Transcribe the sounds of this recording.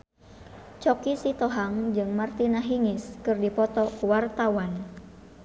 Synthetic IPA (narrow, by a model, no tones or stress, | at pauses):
t͡ʃɔkisit̪ɔɦaŋd͡ʒɨŋmart̪inaɦiŋɪskɨrdipɔt̪ɔwart̪awan